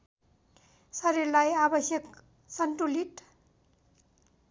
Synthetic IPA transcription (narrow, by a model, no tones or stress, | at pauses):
sʌɾiɾlajabʌsjʌk | sʌnʈuliʈ